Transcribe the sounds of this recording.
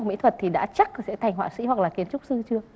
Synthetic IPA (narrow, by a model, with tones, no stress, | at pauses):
mḭ˧˥t̪ʰə˨˩t̚t̪ʰi˨˩ɗa̰ː˧˥t͡ɕa˦˥k̚ːsɛ̰˧˥t̪ʰa˨˩jŋ̟hwaː˧˨˩sḭ˧˥hwa˨˩k̚laː˨˩ki˧˩ənt͡ɕʊ˦˥k͡p̚sɨ˧t͡ɕɨ˧ə